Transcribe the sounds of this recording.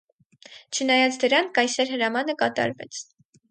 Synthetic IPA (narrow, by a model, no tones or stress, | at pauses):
t͡ʃʰənɑjɑt͡sʰd̪əɾɑnkɑjsɛɾɦəɾɑmɑnəkɑt̪ɑ̰ɾvɛ̰t͡sʰ